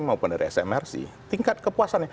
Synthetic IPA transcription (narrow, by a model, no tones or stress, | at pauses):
maupʊndaɾiɛsɛ̰mɛrsḭt̪iŋkat̪̚kəpuasanja